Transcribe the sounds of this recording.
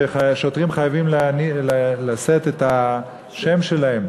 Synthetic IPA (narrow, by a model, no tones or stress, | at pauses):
eʃo̞tʁimχajavimlnillaset̪eta | ʃe̞mʃe̞lae̞m